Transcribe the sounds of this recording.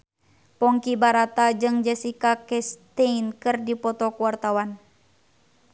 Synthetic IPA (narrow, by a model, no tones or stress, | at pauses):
pɔŋkibaɾat̪ad͡ʒɨŋd͡ʒɛsikakɛst̪einkɨrdipɔt̪ɔkuwart̪awan